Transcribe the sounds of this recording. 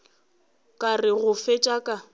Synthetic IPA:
kʼarɪɣʊfet͡ʃʼakʼa

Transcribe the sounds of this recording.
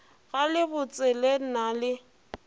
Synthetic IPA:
ɣalɪbʊt͡sʼɛlenalɪ

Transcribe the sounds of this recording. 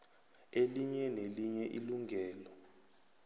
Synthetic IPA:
eliɲɛneliɲɛʔiluŋɡʱɛːlɔ

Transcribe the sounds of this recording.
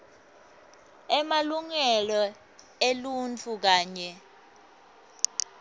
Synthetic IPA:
ɛmaluŋɛlɔ | elunt͡fʰuk̬aːɲɛ

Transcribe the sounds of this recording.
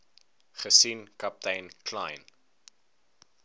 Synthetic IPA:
χəsinkɐp̚təjnkʰlajn

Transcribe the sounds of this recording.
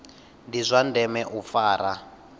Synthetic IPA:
ndizʷandɛmɛʔufaːɾa

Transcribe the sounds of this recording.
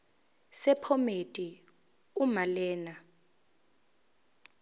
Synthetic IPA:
sɛpʰɔmetʼi | umalɛːna

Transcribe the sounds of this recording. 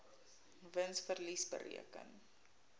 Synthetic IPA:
vənsfərlisbə̰rḭəkə̰n

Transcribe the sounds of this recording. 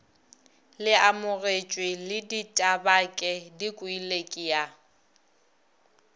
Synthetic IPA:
lɪamʊret͡ʃʼwɪlɪditʼabakʼɛdikʼʊilekʼija

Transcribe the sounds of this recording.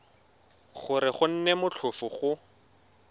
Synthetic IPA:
χʊɾɪχʊn̩nɛmʊt͡ɬʰʊfʊχʊ

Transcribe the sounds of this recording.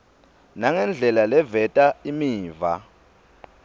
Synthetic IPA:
naŋɛnd͡ɮʱɛlalɛvɛtʼaimiːva̰

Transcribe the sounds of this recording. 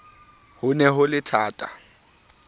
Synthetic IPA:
hʊnɛɦʊlɪtʰaːtʼa

